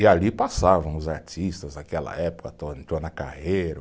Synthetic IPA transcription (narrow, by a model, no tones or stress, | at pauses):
ɪalipasavɐ̃w̃ʊzaɾt͡ʃist̪ɐzakɛlɐ̰ɛpʊ̥kɐt̪õt̪onɐka̰hejɾɐ